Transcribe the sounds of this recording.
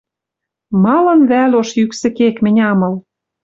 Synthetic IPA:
mɑlɤ̆nβælʲoʃjyksɘ̆kekmɘ̆nʲɑmɤ̆l

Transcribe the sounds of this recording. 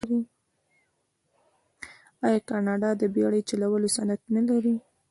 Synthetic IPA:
ɾi | ɑjɑkɑnɑɖɑd̪əbjɑɽəjt͡ʃalawəlosanat̪nalaɾi

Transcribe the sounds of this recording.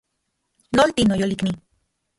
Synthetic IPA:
nolt̪inojolikni

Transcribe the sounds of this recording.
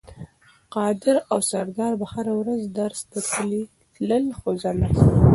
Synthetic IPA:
qɑd̪ɪɾawsaɾd̪ɑɾbahaɾawɾazd̪aɾst̪ək̪əli | t̪ləlxozana

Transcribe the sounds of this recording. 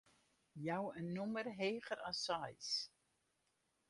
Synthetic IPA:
jawənːumərɦeːχəɾasajs

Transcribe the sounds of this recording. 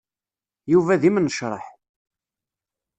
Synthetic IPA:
juvæðimnəʃɾˤə̰ħ

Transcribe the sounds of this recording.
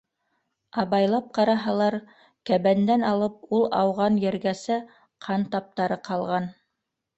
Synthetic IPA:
ɑβɑjlˠɑp̚qɑɾɑɦɑlˠɑɾ | kæβænd̪ænɑlˠɤp̚ulˠɑ̰wʁɑnjɘ̆ɾɡæsɘ | qʰɑnt̪ɑp̚t̪ɑɾɤqɑlˠʁɑn

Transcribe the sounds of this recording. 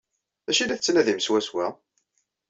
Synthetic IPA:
æʃilæθət͡sːnæðimswæswæ

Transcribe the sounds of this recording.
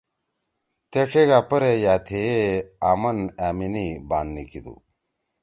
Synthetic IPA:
t̪eʈ͡ʂʰeɡaːpɐɾejaːt̪ʰeeaːmɐnæːminibaːnːikid̪ṵ

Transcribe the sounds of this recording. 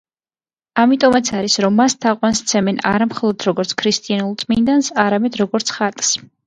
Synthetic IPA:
amit̪ʼɔmat̪sʰaɾisɾɔmːast̪ʰaqʼwanst̪sʰɛmɛna̰ɾamχɔlˠɔd̪̥ɾɔɡɔɾt̪sʰkʰɾist̪ʼianulˠt̪sʼmind̪ansaɾamɛd̪ɾɔɡɔɾt̪sʰχat̪ʼs

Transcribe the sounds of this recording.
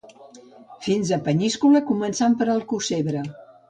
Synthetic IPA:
finzəpəɲiskuləkumənsampəɾəlˠkuseβɾə

